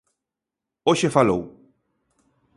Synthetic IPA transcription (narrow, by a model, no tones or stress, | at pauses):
oʃefɐlo̰w